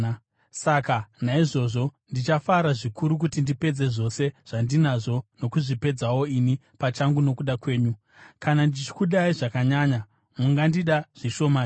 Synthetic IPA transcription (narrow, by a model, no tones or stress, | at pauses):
sakanaiʐo̞ʐo̞ndit͡ʃafaɾaʐikuɾuk̬utindipe̞d͡ze̞ʐo̞se̞ʐ̥andinaʐo̞no̞kuʐipe̞d͡zawo̞ini | pat͡ʃaŋɡuno̞kuɗakwe̞ːɲu | kanandit͡ʃi̥kuɗaiʐakaɲaːɲa | muŋɡandiɗaʐ̥iʃo̞ma